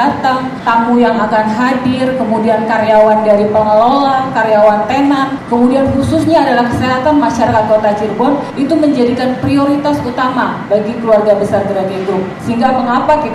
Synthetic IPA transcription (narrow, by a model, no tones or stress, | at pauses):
at̪aŋ | t̪amujaŋakanɦadɪrkəmudiankaɾjawandaɾipaŋəlolakaɾjawant̪enankəmudianhususɲaːdalahkəseɦat̪anmaʃaɾakat̪̚kot̪at͡ʃirbɔn | it̪uməɲd͡ʒadikanpɾioɾit̪asut̪amabaɡikəluarɡabəsart̪əɾadiɡɾʊp̚səɦiŋɡaməŋapakit̪